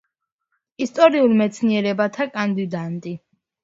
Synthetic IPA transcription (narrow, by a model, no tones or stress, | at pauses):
ist̪ʼɔɾiulˠmɛt̪sʰniɛɾɛbat̪ʰakʼand̪id̪ant̪ʼi